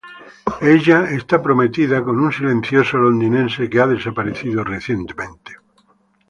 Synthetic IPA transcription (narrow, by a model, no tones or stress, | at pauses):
eʎaest̪apɾo̞met̪iðako̞nunsilẽ̞nθjosolond̪inẽ̞nsekeaðe̞sapaɾeθiðoreθje̞nt̪emẽnt̪e̥